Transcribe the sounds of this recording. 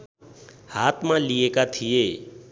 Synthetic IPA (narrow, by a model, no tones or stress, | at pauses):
haːt̪ʰmãːlieːkat̪ʰijeː